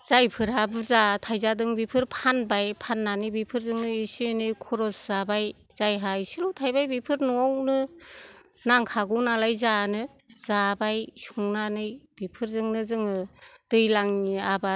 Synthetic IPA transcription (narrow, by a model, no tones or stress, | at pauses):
z̥ajpʰɯɾabɯzatʰajzadɯŋbipʰɯɾpʰanbajpʰanːanɯbipʰɯɾzɯŋnɯisinɯjkʰɔɾɔsz̥abajz̥ajɦajsilutʰajbajbipʰɯɾnɔawnɯ | naŋkʰaɡɯwnalajzanɯ | z̥abajsuŋnanɯjbipʰɯɾzɯŋnɯzɯŋɯd̥ɯjlaŋniaba